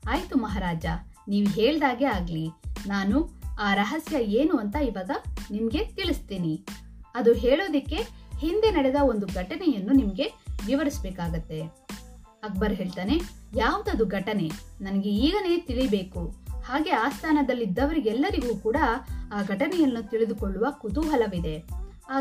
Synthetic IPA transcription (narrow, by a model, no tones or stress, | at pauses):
aːjt̪umɐɦaːɾaːd͡ʒɐ | niːʋuɦeːɭd̪aːɡe̞aːɡlinaːnuaːɾɐɦɐsjɐeːnuɐnt̪ɐiʋaːɡɐnimɐɡe̞t̪iɭist̪iːni | ɐd̪uɦeːɭoːd̪ɐkːe̞hind̪e̞nɐɽɛd̪ɐo̞nd̪uɡʱɐʈɐnɛjɐnːunimɐɡe̞ʋiʋɐɾisbɛːkaːɡut̪ːe̞ | ɐk̚bɐɾɦe̞ːɭt̪aːne̞jaːʋɐd̪uɐd̪uɡʱɐʈɐne̞nɐnɐɡe̞iːɡɐne̞ːt̪iɭibe̞ːkuhaːɡe̞aːst̪ʰaːnɐd̪ɐlːid̪ːɐʋɐɾiɡɛlːɐɾiɡuːkuːɽɐaːɡʱɐʈɐnɛjɐnːut̪iɭid̪ukoɭːuʋɐkut̪uɦɐlɐʋid̪e̞ | aː